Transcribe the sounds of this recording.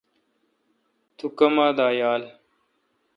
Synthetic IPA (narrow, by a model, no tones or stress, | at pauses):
t̪ʰukɐmaːd̪aːjaːl